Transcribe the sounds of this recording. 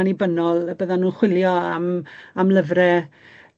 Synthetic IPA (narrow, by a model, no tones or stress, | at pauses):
nibənɔlˠbəðanːuːnχwɪlˠjɔamamləvrɛ